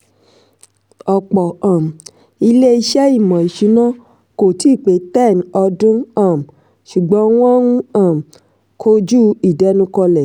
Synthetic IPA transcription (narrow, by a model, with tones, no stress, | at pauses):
ɔ˨k͡pɔ˨ã˨m̩˨ | i˧le˦i˧ʃɛ˦i˦˨mɔ̃˨i˨ʃi˨˦nã˦ | ko˨ti˦˨k͡pe˨˦tɛ˦˨n˨ɔ˧dũ˦ã˦˨m̩˨ | ʃu˨ɡ͡bɔ̃˨˦w̃ɔ̃˦nũ˦ã˦˨m˨ | kʰo˦d͡ʒu˦i˨dɛ˨˦nũ˧˦kɔ˧lɛ˨